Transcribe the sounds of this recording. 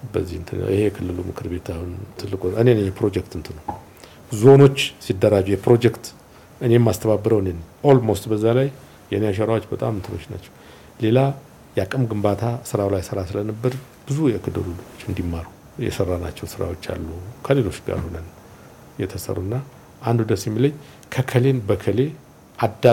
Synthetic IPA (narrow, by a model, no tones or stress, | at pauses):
bəzːihɨnt̪ʰɨnːə̰wʔɨ̰hejɛkʰɨlːɨlumɨkʰɨɾbe̞t̪ʰahunt̪ʰɨlːɨkʼuʔɨnenəɲːpɾo̞d͡ʒɛkt̪ɨnt̪ʰɨnəw | zo̞no̞t͡ʃːsid̪ːəɾad͡ʒujɛpɾo̞d͡ʒɛkt̪ | ʔɨne̞ɛmːast̪ʰəβabːɨɾəwɨnenʔolmo̞st̪bəzːalaj | jɛnejaʃ̬ɛɾawo̞t͡ʃːbət̪ʼa̰mɨnt̪ʰɨnoʃna̰t͡ʃːɛw | le̞la | jɛakʼɨmɡɨmbat̪ʰasɨɾawlajsəɾasɨlənɨbːəd̪ | b̥ɨzujɛɨkːɨd̪ə̰luluot͡ʃːɨnd̪imːaɾu | jɛ̰sərːana̰t͡ʃːɛwsɨɾa̰wo̞t͡ʃːa̰lːukʰəlelo̞t͡ʃːɡa̰ɾhonən | jɛt̪ʰəsə̰rːunːa | ʔand̪ud̪əsjɛmːiləɲː | kʰəkʰəle̞nbəkʰəle̞ | ʔad̪a